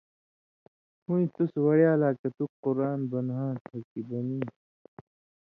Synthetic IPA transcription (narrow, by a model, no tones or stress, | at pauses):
hũĩt̪uswɐɽjaːlaːkɐt̪uqʊɾaːnbɐnɦãːt̪ʰɐkibɐniː